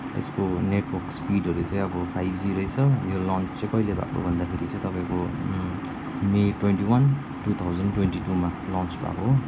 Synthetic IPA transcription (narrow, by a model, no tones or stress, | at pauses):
ḛskoneʈwɔrkspiɖʱʌɾut͡sãj̃ʌbʌpʰajbʱd͡ziɾʌjt͡sʰʌjolɔnt͡st͡sãj̃kʌjlebʱa̰ko̰bʱʌnd̪akʰeɾit͡sʰʌt̪ʌpaj̃ko | meʈwenʈiwʌn | ʈut̪ʰawd͡zʌnʈwenʈiʈumalɔnt͡sba̰koɦ